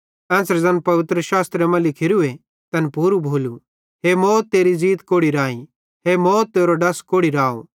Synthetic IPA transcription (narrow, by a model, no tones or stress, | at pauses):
ɛ̃ːsɾd͡zɐnpɐʋɪt̪ɾəʃaːst̪ɾemɐ̃lɪkʰɪɾue | t̪ɐnpuːɾubʱoːlu | ɦemɔːt̪ːeːɾiziːt̪koːɽiɾaːĩ | ɦemɔːt̪ːeːɾoɖɐskoːɽiɾaːo̰